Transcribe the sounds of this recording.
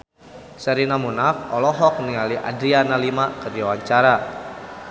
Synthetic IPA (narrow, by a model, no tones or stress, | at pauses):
səɾinamunafɔlɔɦɔk̚niŋaliʔa̰dɾianalimakərdiawaɲt͡ʃaɾa